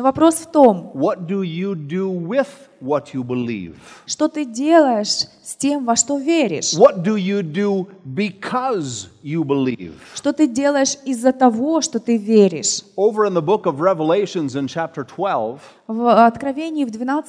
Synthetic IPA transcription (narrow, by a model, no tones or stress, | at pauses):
vɐpɾo̞sft̪o̞mwʌt̚d̥ɨjɨdəwɪð̥wʌt͡ʃɨbəlḭv̥ʂt̪o̞t̪ɨdʲe̞lˠəjɪʂsʲtʲe̞mvɐʂt̪ovʲeɾʲɪ̰ʂwʌt̚d̥ɨjɨdɨbɨkʰʌzjɨbəlḭv̥ʂt̪o̞t̪ɨdʲe̞lˠəjɪʂɪzːət̪ɐvo̞ʂt̪ot̪ɨvʲeɾʲɪ̰ʂoʊvə˞ɨ̃nðəbʊkʌvɹɛvəleɪʃɨ̃nzɨ̃nt͡ʃʰæp̚tə˞tʰw̥ɛlˠv̥ | vɐt̪kɾɐvʲenʲɪɪvd̪vʲɪnat̪s